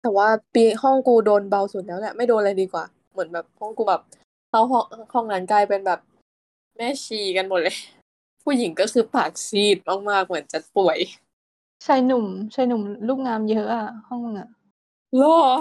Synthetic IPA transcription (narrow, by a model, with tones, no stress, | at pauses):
t̪ɛː˨˩waː˥˩pi˧hɔ˥˩ŋkuː˧doː˧nba˧wsu˨˩˦nlɛː˦˥wni˨˩ma˥˩jdoː˧nʔla˧jdiː˧kwaː˨˩ | mɯ˩˦nbɛː˨˩p̚hɔ˥˩ŋkuː˧˩bɛː˨˩p̚ | ha˧˩wɦɔ˥˩ŋ˥hɔ˥˩ŋna˦˥nkaː˧jpe˧nbɛː˨˩p̚ | mɛː˧˥˨t͡ɕiː˧˩ka˧nmo˨˩t̪̚lɤ˧˦ | pʰuː˥˩ji˩˦ŋkɔː˥˩kʰɯː˧paː˨˩k̚siː˥˩t̪̚maː˥˩k̚maː˥˩k̚mɯ˩˦ənt͡ɕa˨˩p̪u˨˩əj | t͡ɕʰa˧jnu˨˩mt͡ɕʰa˧jnu˨˩mluː˥˩k̚ŋaː˧mjɤ˦˥ʔa˨˩hɔ˥˩ŋnɯ˧˩ŋʔa˨˩ʔ | lɔː˧˩